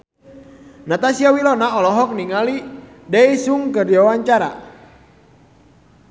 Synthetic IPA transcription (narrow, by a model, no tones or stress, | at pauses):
nat̪asiawilɔnaɔlɔɦɔk̚niŋali | dɛisuŋkərdiawaɲt͡ʃaɾa̰